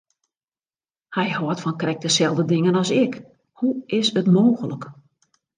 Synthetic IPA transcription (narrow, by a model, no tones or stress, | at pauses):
hɛjhɔːtfɔnkrɛk̚dəsɛlˠdədɪŋənɔsɪk | huɪsətmoːɣələk